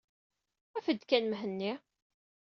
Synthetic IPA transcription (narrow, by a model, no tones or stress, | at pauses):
æfəd̪kænmɦənːi